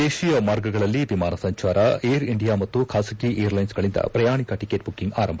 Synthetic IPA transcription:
d̪eːʃijɐmaːɾɡɐɡɐɭɐlːibimaːnɐsɐɲt͡ʃaːɾɐejɾiɳɖijaːmɐt̪ːukʰaːsɐkiʔejɐɾlɐjnsɡɐɭind̪ɐ̰pɾɐjaːɳikɐʈikeːʈ̚bukːiŋɡa̰ːɾɐmbʰʱɐ

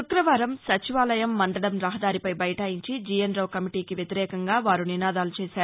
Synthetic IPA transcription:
ukɾɐʋaːɾɐmsɐt͡ʃiʋaːlɐjɐmːɐnɖ̪ɐɽɐmɾɐɦɐd̪aːɾipɐjbɐjɐʈɐːjiɲt͡ʃid͡ʒijɐnɾɐːkɐmiʈiːkiʋjɐt̪iɾɛːkɐŋɡaːʋaːɾuninaːd̪aːlut͡ʃɛːsaːɾu

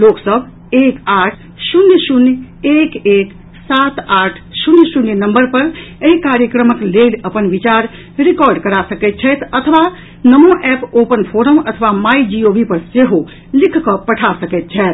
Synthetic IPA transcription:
loksəbʱ | ekaʈʰ | sunjəsunj | ekek | sat̪aʈʰsunjsunjənəmbəɾpəɾeɦikaɾjəkɾəməkleləpənbit͡ʃaɾ | ɾikɔɾɖkəɾasəkɛt̪̚t͡ʃʰɛt̪ət̪ʰəʋa | nəmoʔɛpopənpʰoɾəmət̪ʰəʋamaid͡ʒiobipəɾseɦo | likʰkɔpəʈʰasəkɛt̪̚t͡ʃʰɛt̪

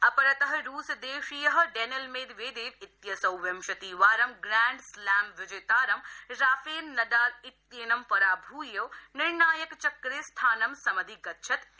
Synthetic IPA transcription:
ɐpɐɾɐt̪ɐɦɐɾuːsd̪eːʂijɐɦɐ̆ɖenɐlmeːd̪ʋeːd̪eːʋɪt̪jɐsɐwʋɐmʃɐt̪iːʋaːɾɐmɡɾaːɳɖslaːmʋɪd͡ʒeːt̪aːɾɐmɾaːfeːlnɐd̪aːɾɪt̪jeːnɐmpɐɾaːbʱuːjɐwnɪɾɳaːjɐkt͡ʃɐkɾeːst̪ʰaːnɐmsɐmɐd̪ʱiɡɐtːʃʰɐt̪

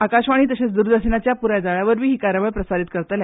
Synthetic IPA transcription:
akaɕʋaɽ̃iːt̪əɕet͡sd̪uɾd̪əɾɕnat͡ɕjapuɾad͡zaɭaʋəɾʋiːɦiːkaɾjəʋəɭpɾəsaɾit̪̚kəɾt̪la

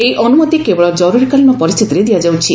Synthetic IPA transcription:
ejʔɔnumɔt̪ikebɔɭɔd͡ʒɔɾuɾikalinɔpɔɾist̪ʰit̪iɾed̪ijad͡ʒawt͡ʃʰi

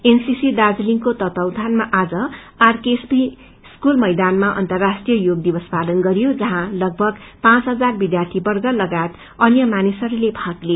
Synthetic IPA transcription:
ensisid̪ad͡zliŋkot̪ʌt̪ʌwd̪ʱanmaʔad͡zʌ | arkesbi | skulmʌjd̪anmaʔʌ̰nt̪ʌrːasʈrijʌjoɡ̚d̪ibʌspalʌnɡʌɾijod͡zʌɦãlʌɡ̚bʱʌɡpãt͡sɦʌd͡zarbid̪jart̪ʰibʌrɡʌlʌɡajt̪ | ʌnjʌmanisʌɾulebʱakle

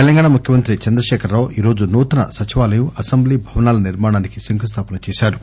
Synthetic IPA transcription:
t̪elɐŋɡaːɳamukʰjɐmɐnt̪ɾit͡ʃɐnd̪ɾɐʃɛːkʰɐɾːaːʋʔiːɾo̞ːd͡ʒunuːt̪ɐnɐ̰sɐt͡ʃiʋaːlɐjuʔɐsɐmbliːbʱɐʋɐnaːlɐniɾmaːɽaːnikisiŋkʰus̬t̪ʰaːpɐnɐt͡ʃɛːsaːɾu

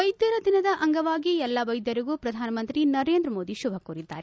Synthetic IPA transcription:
ɐjd̪jɐɾɐd̪inɐd̪ɐʔɐŋɡɐʋaːɡiɛlːɐʋɐjd̪jɐɾiɡuːpɾɐd̪ʱaːnɐmɐnt̪ɾinɐɾeːnd̪ɾɐmoːd̪iʃubʱɐkoːɾid̪ːa̰ːɾe

